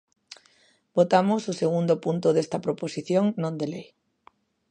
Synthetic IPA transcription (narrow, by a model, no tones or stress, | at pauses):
bot̪amʊsʊseɣund̪ʊpunt̪ʊðest̪ɐpɾoposiθjoŋnõnd̪elej